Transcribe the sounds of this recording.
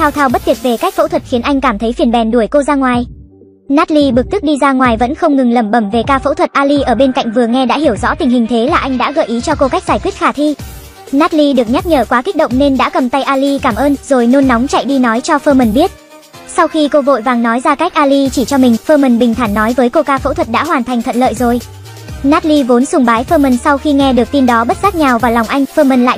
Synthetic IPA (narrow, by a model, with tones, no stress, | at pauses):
t̪ʰaː˧wt̪ʰaː˧˩wɓə˦˥t̚t̪i˨˩t̚ve˨˩ka˦˥k̚fo̰˧˥t̪ʰwə˨˩t̚xi˨˦ənʔa˧jŋ̟kaː˧˩mt̪ʰə˨˦jfi˧˩ənɓɛ˨˩nɗu˧˩əjko˧zaː˧ŋwaː˨˩j | naː˦˥t̚li˧ɓɨ˨˩ək̚t̪ɨ˦˥k̚ɗi˧zaː˧ŋwaː˨˩jvə̰˧˥nxə˧wŋ͡mŋɨ˨˩ŋlə˧˩mɓə˧˩mve˨˩kaː˧fo̰˧˥t̪ʰwə˨˩t̚ʔaː˧li˧ʔəː˧˩ɓe˧nka̰˧˨jŋ̟vɨ˨˩əŋɛ˧ɗa̰ː˧˥ɦi˧˩əwzɔ̰˧˥t̪ï˨˩ŋ̟hï˨˩ŋ̟t̪ʰe˨˦laː˨˩ʔa˧jŋ̟ɗa̰ː˧˥ɣə̰ː˧˨jʔi˨˦t͡ɕɔ˧ko˧ka˦˥jk̚zaː˧˩jkwi˦˥ət̚xaː˧˩t̪ʰi˧ | naː˦˥t̚li˧ɗɨ˨˩ək̚ɲa˦˥k̚ɲəː˧˩kwaː˨˦ki˦˥k̚ɗə̰˧˨ŋ͡mne˧nɗa̰ː˧˥kə˨˩mt̪a˧jʔaː˧li˧kaː˧˩mʔəː˧nzo˨˩jno˧nːa˨˦wŋ͡mt͡ɕa̰˧˨jɗi˧nɔ˨˦jt͡ɕɔ˧fəː˧mə˨˩nɓi˦˥ət̚ | sa˧wxi˧ko˧vo̰˧˨jvaː˨˩ŋnɔ˨˦jzaː˧ka˦˥k̟̚ʔaː˧li˧t͡ɕi˧˩t͡ɕɔ˧mï˨˩ŋ̟fəː˧mə˨˩nɓï˨˩ŋ̟t̪ʰaː˧˩nːɔ˨˦jvəː˨˦jko˧kaː˧fo̰˧˥t̪ʰwə˨˩t̚ɗa̰ː˧˥ɦwaː˨˩nt̪ʰa˨˩jŋ̟t̪ʰə̰˧˨nlə̰ː˧˨jzo˨˩j | naː˦˥t̚li˧vo˨˦nsʊ˨˧˩ŋ͡mɓaː˨˦jfəː˧mə˨˩nsa˧wxi˧ŋɛ˧ɗɨ˨˩ək̚t̪i˧nɗɔ˨˦ɓə˦˥t̚zaː˦˥k̚ɲaː˨˩wvaː˨˩la˨˩wŋ͡mʔa˧jŋ̟fəː˧mə˨˩nla̰ː˧˨